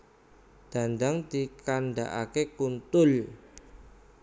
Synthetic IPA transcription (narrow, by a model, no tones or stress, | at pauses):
d̪̥a̤nd̪aŋd̪̥ikaɳɖaʔakekunt̪ʊl